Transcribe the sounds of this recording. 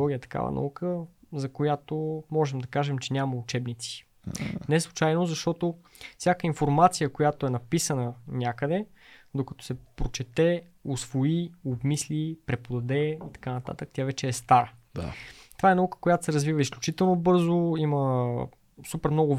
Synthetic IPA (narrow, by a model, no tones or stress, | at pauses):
ɔɡʲijət̪ɐ̥ka̰və̰nɐ̰ukʰəzɐkojat̪omɔʒɛmd̪ɐkaʒɛmt͡ʃɛnʲaməut͡ʃɛbnit̪si̥ | nɛslˠut͡ʃajnozɐʃt̪ɔt̪o | fsʲjakəinfoɾmat̪sijəkojat̪oɛnɐpisənənʲakəd̪ɛd̪okɐt̪ɔ̥sɛpɾot͡ʃɛt̪ɛ | osvoiobmislipɾɛpod̪ɐd̪ɛit̪ɐ̥kanɐt̪a̰t̪ək̚t̪ʲavɛt͡ʃɛːst̪aɾə | t̪ovaɛnɐukə̥kojat̪o̥sɛɾəzvivəisklʲut͡ʃit̪ɛlˠnobɤɾzoimə | supɛɾmnɔɡʊv